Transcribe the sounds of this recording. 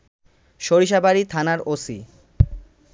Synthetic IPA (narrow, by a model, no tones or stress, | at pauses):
ʃoɾiʃ̬abaɾit̪ʰanaɾosḭ